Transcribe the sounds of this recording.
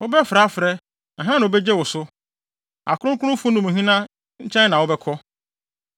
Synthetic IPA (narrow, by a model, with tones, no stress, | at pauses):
ʊ˦bɛ˦fɾa˨˦fɾɛ˦ | nã˨ɦã˦nã˨o˨bɛ˦d͡ʑɛ˦wʊ˨sʊ˦ | a̰˨kʰʊ˦ɾʊ̃˦kʰʊ˦ɾʊ̃˦fʊ̃˦nʊ̃˨mũ˨ɦĩ˦nã˦ | ɲ̩˦t͡ɕʰɛ̃˦nnã˨wʊ˦bɛ˦kʰɔ˦